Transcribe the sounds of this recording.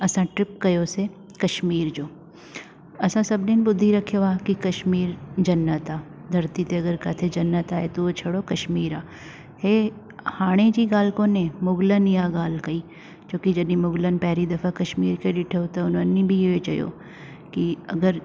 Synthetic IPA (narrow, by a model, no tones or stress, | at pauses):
ɐsãʈɾɪp̚kɐjoːse | kɐʃmiːɾd͡ʒoː | ɐsãsɐbneːnbʊd̪ʱːiɾɐkʰːjoaːkikɐʃmiːɾd͡ʒɐnːət̪aːd̪ʱɐɾt̪it̪eɐɡəɾkaːt̪ʰed͡ʒɐnːət̪aːɦet̪oot͡ʃʰɐɽokɐʃmiːɾaː | heː | haːɽ̃ed͡ʒiɡaːlkõnemʊɡlənijaːɡaːlkɐiː | t͡ʃõːkid͡ʒɐɗnĩmʊɡlənpɛɦɾid̪ɐfʰakɐʃmiːɾkelɪʈʰeot̪ɐʊnɐnːĩbʱiet͡ʃɐjo̰ː | kiɐɡəɾ